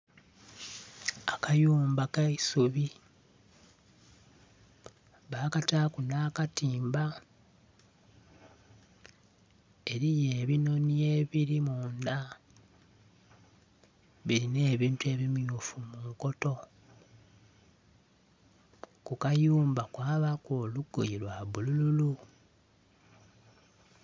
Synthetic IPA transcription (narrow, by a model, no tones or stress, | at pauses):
akajuːmbakaisuβi | βaːkataːkunaːkatiːmba | e̞ɾije̞ːβino̞nje̞ːβiɾimuːnda | βiɾine̞ːβiːntwe̞βimjufumuŋko̞to̞ | kukajuːmbakwaːβakoːluɡ̥ːojilwaβulululu